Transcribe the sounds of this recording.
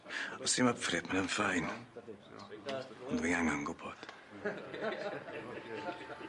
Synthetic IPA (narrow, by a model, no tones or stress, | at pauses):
ɔsɪmafrɪbmanənfajn | ɔndwiŋaŋaŋɡʊbɔd̥